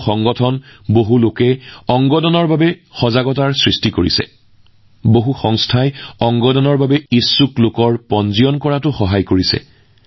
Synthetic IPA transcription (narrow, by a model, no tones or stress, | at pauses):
ɔŋɡɔtʰɔnboɦulokɛɔŋɡɔdɔnɔɹbabɛxɔzaɡɔtaɹsɹistikoɹḭsɛ̰ | boɦuxɔŋstʰajɔŋɡɔdɔnɔɹbabɛisːuklʊkɔɹpɔnziɔnkɔɹatʊxɔɦajkoɹisɛ̰